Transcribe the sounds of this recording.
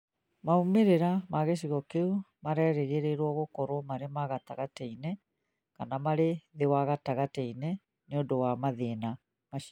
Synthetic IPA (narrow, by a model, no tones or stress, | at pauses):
maumeɾeɾamaɣeʃ̬iɣɔkeumaɾɛːɾeɣeɾeɾwɔɣokɔɾwɔmaɾemaɣata̰ɣatɛine | kanamaɾeðewaɣataɣatɛine | neondowamaðena | maʃ